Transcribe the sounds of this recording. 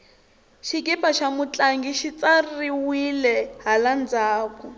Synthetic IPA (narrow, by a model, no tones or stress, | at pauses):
ʃikipaʃamut͡ɬʼaŋɡiʃit͡sariwilɛɦaland͡zaːkɔ